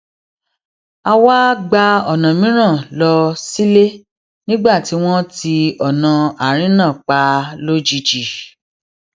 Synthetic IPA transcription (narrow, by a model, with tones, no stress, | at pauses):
a˧wa˦ɡ͡ba˧ɔ˨nã˨mĩ˨˦ɾ̃ã˦˨lɔ˧si˦le˦ | nĩ˦ɡ͡ba˦˨ti˨˦w̃ɔ̃˦ti˧ɔ˨nã˨a˨ɾ̃ĩ˦nã˦˨k͡pa˧lo˦d͡ʒi˧d͡ʒi˨